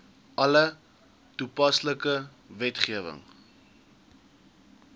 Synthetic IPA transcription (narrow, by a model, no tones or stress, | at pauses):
ʔɐlə | tupɐsləkə | vɛtχiəvə̰ŋ